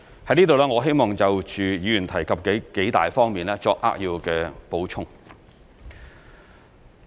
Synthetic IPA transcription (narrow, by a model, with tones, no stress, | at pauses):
hɐ˧˥jniː˥t̪o˨wlɛː˥ŋɔː˨˧ɦe˥jmɔː˨ŋt͡sɐ˨wt͡ʃyː˨jyː˨˧jy˨˩nt̪ʰɐ˨˩jkʰɐ˨p̚ke˨˥ke˨˥jt̪a̰ː˨jfɔː˥ŋmiː˨nlɛː˥t͡ʃɔː˧k̚ʔa̰ː˥k̚jiː˧wkɛː˧po˨˥wt͡ʃʰʊ˥ŋ